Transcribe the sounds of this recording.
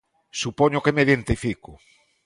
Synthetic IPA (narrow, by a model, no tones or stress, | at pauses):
supɔɲʊkemeðent̪ifikʊ